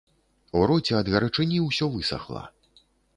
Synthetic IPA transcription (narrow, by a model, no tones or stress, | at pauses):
uɾɔt͡sʲɛɐd̪ɣʲɐɾɐt͡ʂɨnʲiwsʲɔvɨsa̰xlˠa̰